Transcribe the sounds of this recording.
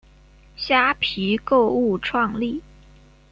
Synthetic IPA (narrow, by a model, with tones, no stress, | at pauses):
ɕja˥pʰi˧˥ko˥˧ʊu˥˩ʈ͡ʂʰwɑ˥˧ŋli˥˩